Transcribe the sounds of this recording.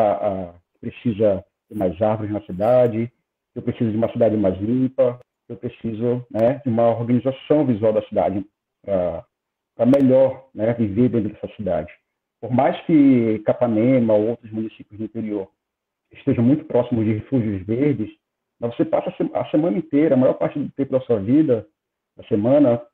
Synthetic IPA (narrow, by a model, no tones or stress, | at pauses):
aʔakɪ̥pɾesizɐ | d͡ʒɪmajzahvoɾɪznɐsid̪ad͡ʒɪ | kɪewpɾesizʊɐd͡ʒɪũmɐsid̪ad͡ʒɪmajzlĩpɐ | kewpɾesizʊnɛd͡ʒɪũmɐoɾɡɐ̃nizasɐ̃w̃vizuawˠd̪ɐsid̪a̰d͡ʒɪ | pɾɐ | pɾɐmeʎɔɾnɛviveɾd̪ẽt̪ɾʊd̪ɛsɐsid̪a̰d͡ʒɪ | poɾmajskɪkapanẽmɐoowt̪ɾʊzmũnisipjʊzd̪uĩt̪eɾioɾ | ɪʃt̪eʒɐ̃mũj̃t̪ʊ̥pɾɔsimʊzd͡ʒɪhefuʒjʊzveɾd͡ʒɪs | mɐzvosepasɐseɐ̰semɐ̃nɐẽnt̪ejɾɐːmajɔɾpaɾt͡ʃɪd̪ʊt̪ẽpʊd̪ɐsuɐvid̪ɐ | d̪ɐsemɐ̃nɐ